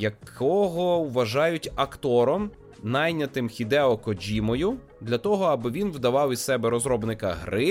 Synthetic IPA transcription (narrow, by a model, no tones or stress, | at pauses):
jɐkʰɔɦɔwʋɐʒɑjʊtʲɐkt̪ɔɾɔm | nɑjnʲɐt̪ɪmxʲid̪ɛɔkɔd͡ʒʲimɔjʊ | d̪lʲɐt̪ɔɦɔɐbɪʋʲinwd̪ɐʋɑwʲisɛbɛɾɔzɾɔbnɪkɐɦɾɪ